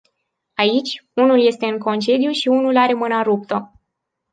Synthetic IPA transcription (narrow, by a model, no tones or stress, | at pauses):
ait͡ʃʲunulje̞st̪e̞ɨŋko̞nt͡ʃe̞d̪juʃiunulaɾe̞mɨnaɾup̚t̪ə